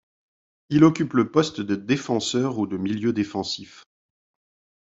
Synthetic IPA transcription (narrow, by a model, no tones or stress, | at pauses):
ilɔkʲypləpɔst̪d̪əd̪efɑ̃sœʁud̪əmiljød̪efɑ̃sif